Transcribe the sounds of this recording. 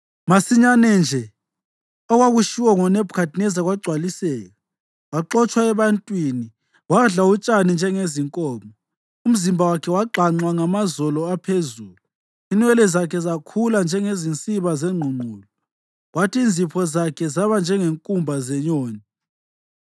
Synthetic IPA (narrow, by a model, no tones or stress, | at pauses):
masiɲanɛnd͡ʒʱɛ | ɔɣwaɣuʃiwaŋɔnɛbkʰadnɛzaɣwaɡ͡ǀʱwalisɛːɣa | waǃɔt͡ʃʼwaɛβantʼwini | waɮaut͡ʃʼanind͡ʒʱɛŋeziŋkʼɔːmɔ | um̩zimbʱawakʰɛwaǃʱaŋ͡ǀwaŋamazɔlɔapʰezuːlu | inwɛlɛzakʰɛzakʰuland͡ʒʱɛŋezint͡sʼiβazɛŋ͡ǃʱuŋ͡ǃʱuːlɔ | ɣwatʰiːnd͡zʱipʰɔzakʰɛzaβand͡ʒʱɛŋeŋkʼumbʱazɛɲoːni